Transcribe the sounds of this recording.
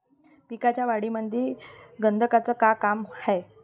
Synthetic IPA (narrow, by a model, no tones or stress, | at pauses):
pikat͡ɕjaʋaɽiməd̪ʱiɡənd̪ʱəkat͡səːkakamhɛj